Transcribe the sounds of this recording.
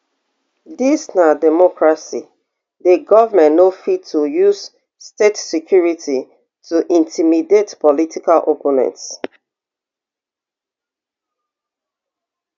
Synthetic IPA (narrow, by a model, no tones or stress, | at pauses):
disnadɛmɔkɹasḭ | deɡɔvəmɛ̃nnofitʰːujuz̥ | stetsɛkʰjuɹitʰi | tuʔĩntʰimidetpɔlitikalʔoponɛ̰̃nts